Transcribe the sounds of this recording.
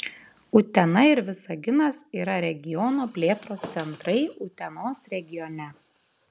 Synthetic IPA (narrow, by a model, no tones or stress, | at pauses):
ʊt̪ʲɛnɐɪɾʋʲɪsɐɡʲɪnɐsiːɾɐɾʲɛɡʲɪjɔnoːpʲlʲeːt̪ɾoːst̪sʲɛnt̪ɾɐɪʊt̪ʲɛnoːsɾʲɛɡʲɪjɔnʲɛ